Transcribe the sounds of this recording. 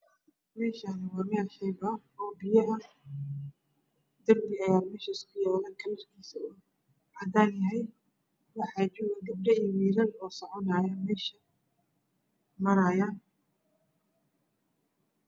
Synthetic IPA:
mɛːʃanɪwɑːmɪɐħɪjbɐ | ɔːbɪjɐʔɐ | d̪ɐrbɪɐjaːmɛːʃɐɪskʰʊjɛːlɐkʰɐlɐrkʰiːsɐʊʊ | hɐd̪aːnjɐɦɛj | wɑħɑːt͡ʃʊwɐɡɐb̚ɖɐiwiːɾɐlɔːsɔʕɔnaːjɐmɛːʃɐ | mɐɾɐjaːn

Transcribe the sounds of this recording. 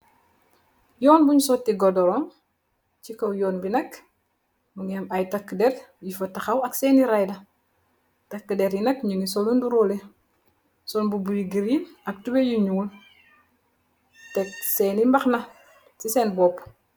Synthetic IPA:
jɔːnbuɲusotiɡɔdɔɾɔːn | t͡ʃikowjɔːnbinɐk | muŋɛmajtakːədɛrjifɐtɐxawɐksɛːniɾajdɐ | tɐkːədeɾjinɐkɲunisolunduɾole | sɔnbubuɾiɡiɾinɐk̚tubejuɲuːl | tɛkseːnimbaxnɐ | siseːnbɔːp

